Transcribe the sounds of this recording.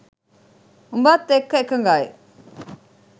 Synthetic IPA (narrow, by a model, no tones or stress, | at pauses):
umbaːt̪ːekːɐekːɐŋɡaːḛ